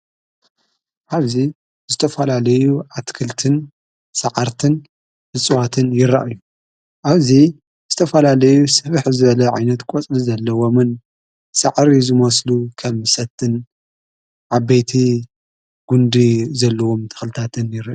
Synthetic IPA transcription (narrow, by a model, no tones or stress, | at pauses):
ʔaβzi | zɨt̪ʰɐfɐlalɐjuʕat̪kʰɨlt̪ʰɨn | sɐʕaɾt̪ʰɨn | hɨsʼwat̪ʰɨnjɪɾa̰ʔɨju | ʔaβzi | zɨt̪ʰɐfɐlalɐjusɨβɨħzɨβɐlɐʕa̰jnɐt̪kʷʼot͡sʼlizɐlːɐwomɨn | sɐʕɾizɨmɐslukʰɐmsɐt̪ʰːɨn | ʕabːɐjt̪ʰi | ɡ̥und̪izɐlːɐwomt̪ʰɨ̥xlɨt̪ʰat̪ʰɨnjɪɾaʔj